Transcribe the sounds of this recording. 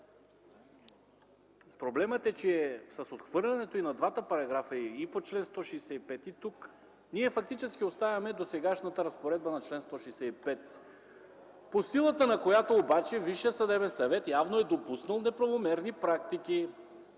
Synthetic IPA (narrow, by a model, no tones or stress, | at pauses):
pɾoblɛmət̪ɛt͡ʃɛɛsɐsot̪xvɤɾlʲɛnɛt̪oinɐd̪vat̪əpɐɾɐɡɾafəiipot͡ʃlɛnst̪ɔʃɛːsɛipɛt̪it̪uk | niɛfɐk̚t̪it͡ʃɛskʲiost̪avʲɐmɛd̪osɛɡaʃnɐt̪ɐɾɐspoɾɛd̪̚bənɐt͡ʃlɛnst̪ɔʃɛːsɛipɛt̪ | posilˠət̪ənɐkojat̪oːbat͡ʃɛviʃiəsɐd̪ɛbɛnsɐvɛt̪javnoɛd̪opusnəlˠnɛpɾɐvomɛɾnipɾakt̪iki